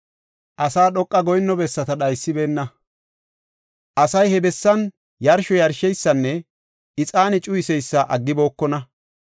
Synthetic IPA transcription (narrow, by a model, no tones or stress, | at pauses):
ʔɐsaːɗɔkʼːɐɡɔjnːɔbɛsːɐt̪ɐɗɐjsːɪbe̞ːnːɐ | ʔɐsɐjhɛbɛsːɐn | jɐɾʃɔjɐɾʃɛjsːɐnːɛ | ɪt͡sʼaːnɪt͡ʃʼʊjɪsɛjsːɐʔɐɡːɪbo̞ːkːɔnɐ